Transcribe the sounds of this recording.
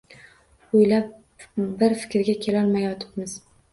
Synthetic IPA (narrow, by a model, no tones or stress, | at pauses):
ʊjlap̚ | bɪɾfɪ̥kʲɾɡʲakʲʰe̞lɒlˠmajɒt̪ʰɪ̥pmɪz̥